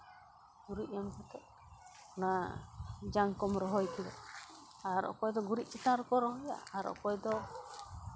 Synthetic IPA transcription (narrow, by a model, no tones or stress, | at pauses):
ɡuɾiʔ̚ɔmkɛt̪ɛʔ | na | d͡ʒaŋkɔmɾɔɦɔjkid̪ɛ̰ | aɾɔ̰ʔkɔjd̪ɔɡuɾiʔ̚t͡ʃit̪aɾɔkɔɾɔɦɔja̰aɾɔ̰ʔkɔjd̪ɔ